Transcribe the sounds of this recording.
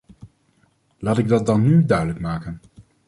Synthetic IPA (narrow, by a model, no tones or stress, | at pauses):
laːtɪɡ̚dɑt̚dɑnːydœɥdələkmaːkən